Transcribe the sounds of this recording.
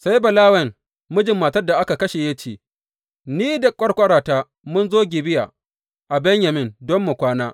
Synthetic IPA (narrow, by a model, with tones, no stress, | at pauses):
sa˦jbɐ˨laː˦wɐ˨ŋ | mʊ˦d͡ʒɪ˨mːaː˨tɐ˦rda˨ʔa˦ka˨kɐ˦ʃe˨ja˦t͡ʃeː˨ | niː˦da˨kʷʼɐ˦rkʷʼɐ˦ɽaː˨taː˦ | mʊ˦nzoː˦ɡʲɪ˨bɪ˦ja̰ː˨ | ʔa˨bɛ˦ɲja˨mɪ˦ndɔ˦mːʊ˨kʷaː˦naː˦